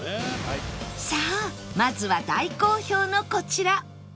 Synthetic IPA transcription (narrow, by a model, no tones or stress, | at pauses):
saːmazɨβad̪aiko̞ːço̞ːno̞ko̞t͡ɕiɾa